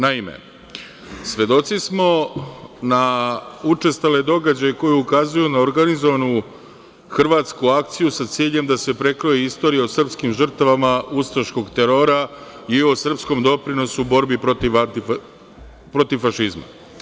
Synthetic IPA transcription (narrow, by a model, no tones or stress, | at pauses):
naimḛ | sʋe̞d̪o̞t̪sismo̞ | naut͡ʂe̞st̪ale̞d̪o̞ɡad͡ʑajeko̞jeukazujunaoɾɡanizoʋanu | xr̩ʋaːt̪skuakt̪sijusat̪siːʎe̞md̪ase̞pɾe̞kɾojeist̪o̞ːɾijeosr̩pskimʒr̩t̪aʋamaust̪ɾaʃko̞ɡt̪e̞ɾo̞ɾa | iosr̩psko̞md̪o̞pɾino̞suːbo̞ɾbipɾot̪iʋat̪i | pɾo̞t̪iʋfaʃizma̰